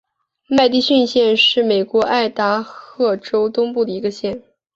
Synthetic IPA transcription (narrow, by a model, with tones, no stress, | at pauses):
ma˥˧ɪt̪i˥˧ɕy˥˧nɕjɛ˥˧nʂɻ̩˥˩me˨˩ɪkwɔ˧˥ʔa˥˩ɪt̪a˧˥xɤ˥˩ʈ͡ʂo˥ʊt̪ʊ˥ŋpu˥˩d̪ə˩i˧˥ɡə˧ɕjɛ˥˩n